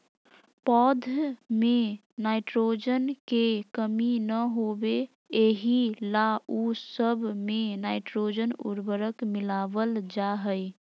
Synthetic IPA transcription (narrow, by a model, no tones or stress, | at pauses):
pɔd̪ʱme | naɪʈɾod͡ʒənkekəminəɦobe | eɦilausəbʱmenaɪʈɾod͡ʒənṵɾbəɾəkmilabəld͡ʒaɦəj